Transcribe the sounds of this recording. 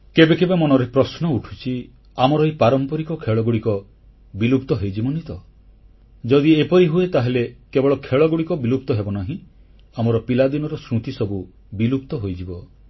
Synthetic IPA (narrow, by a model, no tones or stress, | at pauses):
kebekebemɔnɔɾepɾɔsnɔuʈʰu̥t͡ʃʰi | amɔɾɔɦepaɾɔmpɔɾikɔkʰeɭɔɡuɽikɔ | bilupt̪ɔɦejd͡ʒibɔnit̪ɔ | d͡ʒɔd̪iepɔɾiɦuet̪aɦelekebɔɭɔkʰeɭɔɡuɽikɔbilupt̪ɔɦebɔnaɦĩ | amɔɾɔpilad̪inɔɾɔsɾut̪isɔbu | bilup̚t̪ɔɦojd͡ʒibɔ